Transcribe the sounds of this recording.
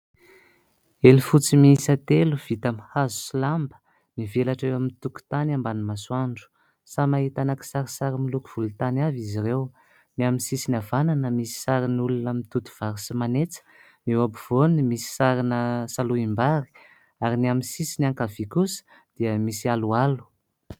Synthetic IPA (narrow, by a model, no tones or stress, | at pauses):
elifut͡simiisat̪eluv̥it̪amhazu̥silambə̥ | nivelaʈ͡ʂewamint̪uku̥t̪anambanimaswaɳɖ͡ʐu̥ | samaɦit̪anaki̥saɾisaɾimiluku̥v̥ulut̪anaviziɾew | niaminsisinavananəmisi̥saɾinulunamit̪ut̪u̥v̥aɾisimanet͡sə̥ | newabuv̥onimisi̥saɾinəsaluimbaɾi̥ | aɾiniaminsisinaŋkavikusə̥ | d̪̥iəmisialualu̥